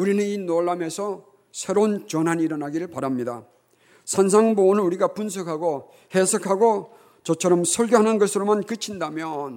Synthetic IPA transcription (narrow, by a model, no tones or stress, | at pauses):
uɾinɯninoɭːame̞sʰʌ | sʰe̞ɾont͡ɕʌnɦaniɾʌnɦaɡiɾɯɭpaɾamɲida | sʰans̬ʰaŋbonɯnuɾiɡapuns̬ʰʌkʰaɡo | hesʰʌkʰaɡo | t͡ɕʌt͡ɕʰʌɾʌmsʰʌɭɡjoɦanɯnɡʌsʰɯɾomankɯt͡ɕʰindamjʌn